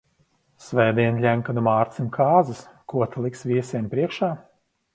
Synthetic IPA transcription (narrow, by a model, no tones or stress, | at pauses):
svɛːd̪iɛnlʲæmkad̪umaːɾt̪simkʰaːzɨskuɔt̪ʰalˠiksvʲiɛsiɛnpɾiɛkʃaː